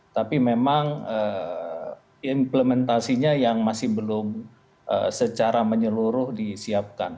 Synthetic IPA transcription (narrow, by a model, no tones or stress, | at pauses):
t̪apimemaŋə | impləmɛnt̪asiɲajaŋmasɪhbəlʊm | ʔə̰sət͡ʃaɾaməɲəluɾʊhdisiap̚kan